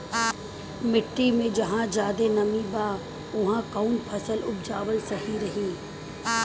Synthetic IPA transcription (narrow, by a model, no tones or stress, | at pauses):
mɪʈːimẽd͡ʒɐɦãd͡ʒaːd̪enɐmibaː | ʊɦãkaːnpʰɐsəlʊb̚d͡ʒaːʋəlsɐɦiɾɐɦĩː